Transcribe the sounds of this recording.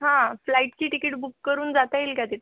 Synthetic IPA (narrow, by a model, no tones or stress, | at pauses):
ɦãflaiʈt͡ɕiːʈikiʈbukːəɾuːnd͡zat̪ailkjat̪it̪